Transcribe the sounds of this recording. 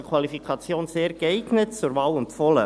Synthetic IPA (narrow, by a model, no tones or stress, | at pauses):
əkʰwɑlifikʰɑt͡sjoːnseːɾɡɛɪɡnətt͡sʊɾvɑːlʊntfɔlə